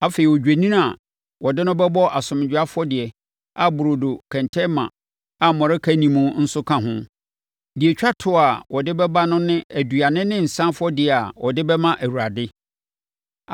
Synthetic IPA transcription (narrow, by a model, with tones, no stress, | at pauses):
a˦fe˨i˨wɔ˨d͡ʑᶣæ˨nĩ˦n˦a˨ | wɔ˨dɪ˦nʊ̃˦bɛ˦bɔ˦ʔa˨sʊ̃˨m˨d͡ʑᶣa˦fʊ˦ɔ˦dɪ˨ɛ˨ | a˨bʊ˨ɾo˨do˨kʰɛ̃˨ntʰɛ˦mã̰˨ | a˨mɔ̃˨ɾɛ˦kʰæ˦nĩ˨mũ˦n̩˦sʊ˦kʰã˦ɦʊ̃˦ | di˨ɛ˨t͡ɕᶣa˦tʰʊ˦˨a˨wɔ˨dɪ˦bɛ˦ba˦nʊ̃˦nɪ̃˦æ˨du˨a˨nɪ̃˦nɪ̃˦n̩˨sã˦nfʊ˦ɔ˦dɪ˨ɛ˨a˨wɔ˨dɪ˦bɛ˦mã˦ʔæ˨wu˨a˨dɪ˦˨